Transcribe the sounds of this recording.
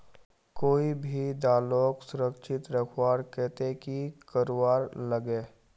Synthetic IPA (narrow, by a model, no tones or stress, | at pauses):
koːibʱid̪aːloːksʊɾəkʃɪt̪ɾəkʰwaːɾkɛːt̪ekikəɾowaːɾləɡeː